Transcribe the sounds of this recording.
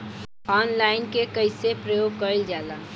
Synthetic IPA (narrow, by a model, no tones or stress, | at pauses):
ɔːnlaːɪnkekəɪsepɾəjoːɡ̚kəild͡ʒaːla